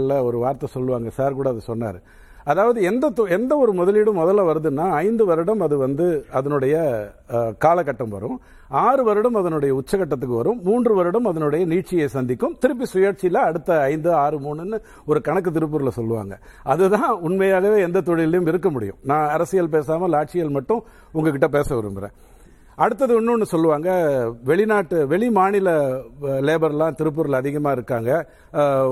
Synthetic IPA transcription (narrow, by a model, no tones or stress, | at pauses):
lːɐɔɾɯʋaːɾt̪ːɐsɔlːɯʋaːŋɡɐsaːɾkuːɽɐːðɐsɔnːa̰ːɾɯ | ɐðaːʋɐðɯɛnd̪ɐt̪ɔɛnd̪ɐɔɾɯmɔðɐlɪɽɐmːɔðɐlːɐʋɐɾɯðɯnːaːɐɪnd̪ɯʋɐɾɯɽɐmɐðɯʋɐnd̪ɯɐðɐnʊɽɐjɐ | kaːlɐkːɐʈːɐmʋɐ̰ɾʊ̃ | aːɾɯʋɐɾɯɽɐmɐðɐnɯɽɐjɐʊt͡ʃːɐkɐʈːɐt̪̬ːɯkːɯʋɐ̰ɾɯ̃mːuːndrɯʋɐɾɯɽɐmɐðɐnɯɽɐjɐniːʈ̚t͡ʃːɪjɐsɐnd̪ɪkːɯmt̪ɪɾɯp̬ːisʊjaːɾt͡ʃɪlɐɐɽɯt̪ːɐɐɪnd̪ɯaːɾɯmuːɳɯnːɯ | ɔɾɯkɐɳɐk̬ːɯt̪ɪɾɯp̬ːuːɾɪlɐsɔlːɯʋa̰ːŋɡɐ | ɐðɯt̪ãːʊɳmɐjaːɣɐʋeːɛnd̪ɐt̪ɔɻɪlɐjʊmɪɾɯkːɐmʊɽɪ̰jʊ̰̃nãːɐɾɐsɪjɐlp̬eːsaːmɐlaːʈ̚t͡ʃɪjɐlmɐʈːʊ̃ | ʊŋɡɐkɪʈːɐp̬eːsɐʋɪɾɯ̰mbɪɾḛ̃ː | ɐɽɯt̪ːɐðɯʊnːʊ̃nːɯsɔlːɯʋaːŋɡɐʋɛɭɪnaːʈːɯʋɛɭɪmaːɳɪlɐleːbɐɾɛlãːt̪ɪɾɯp̬ːuːɾɪlɐðɪɣɐmaːɪɾɯkːaːŋɡɐ